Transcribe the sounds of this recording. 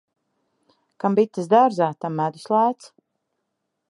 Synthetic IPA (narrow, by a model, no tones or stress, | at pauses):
kambit̪ːɨsd̪aɾzaːt̪amːæd̪uslˠaːt̪s